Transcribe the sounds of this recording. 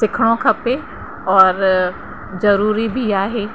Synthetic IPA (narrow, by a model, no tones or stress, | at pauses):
sɪkʰɽ̃õkʰɐpe | ɔːɾ | zɐɾuːɾibʱiaːɦeː